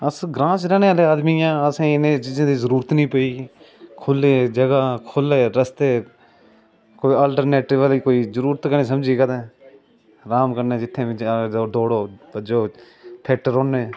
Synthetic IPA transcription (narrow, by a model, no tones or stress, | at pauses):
əsɡɾãːt͡ʃɾɛːñeːaːleːaːd̪miːjãːəsẽːɪnẽːt͡ʃiːzãːd̪iːzəɾuːɾət̪nĩːpəiː | kʰʊleːd͡ʒəɡaːkʰʊleːɾəst̪eː | koːiːaːlʈəɾneːʈɪʋəliːkoːiːzəɾuːɾət̪kəneːsəmd͡ʒiːkəd̪ẽː | ɾaːmkəɾneːd͡ʒɪt̪ʰːẽːɪd͡ʒd̪oːɽoːbəd͡ʒoː | t̪ʰeʈɾoːneː